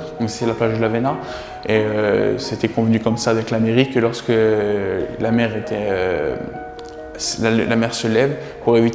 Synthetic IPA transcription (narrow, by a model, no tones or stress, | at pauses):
d̪ɔ̃kse̥ɛlaplaʒd̪əlavena | eøset̪ɛkɔ̃vnykɔmsaːvɛklameʁikːəlɔʁskə | lamɛʁet̪ɛø | lalamɛʁsəlɛv | puʁevit̪